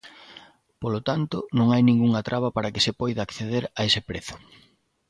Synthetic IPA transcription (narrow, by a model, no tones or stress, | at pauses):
polot̪ant̪ʊnõŋajnĩŋɡuŋat̪ɾʔaβɐpaɾɐkɪsɪpɔjðaːkθeðeɾaesɪpɾeθʊ̥